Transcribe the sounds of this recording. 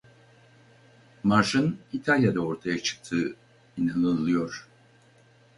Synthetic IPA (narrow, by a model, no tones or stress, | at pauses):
maɾʃɯnit̪ʰalʲjad̪ao̞ɾt̪ʰajat͡ʃʰɯ̥k̚t̪ʰɯː | inanɯlˠɯjo̞ɾ̥